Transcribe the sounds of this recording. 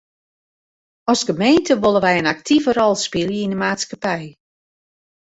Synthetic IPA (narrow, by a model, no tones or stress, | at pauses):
ɔsɡəmeːntʰəʋolˠəʋɛjənak̚tʰivərɔlˠspilˠjəinəmaːtskapɛj